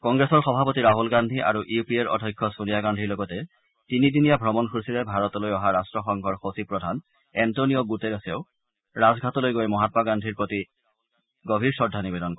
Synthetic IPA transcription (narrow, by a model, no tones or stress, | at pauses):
kɔŋɡɹesɔɹxɔbʱapotiɹaɦulɡandʱiʔa̰ɹuʔiupieɹɔ̰dʱɔjkʰːɔsunijaɡandʱiɹlɔɡɔtɛ | tinidinijabʱɹɔmɔnkʰuɹsilɛbʱaɹɔtɔlojɔɦaɹastɹɔxɔŋkʰɔɹxosipɹɔdʱan | ɛntonijɔɡuteɹaseʊ | ɹazɡʱatɔlojɡojmɔɦatɔmaɡandʱiɹpɹoti | ɡobʱiɹsɔdʱːanibedɔnkɔ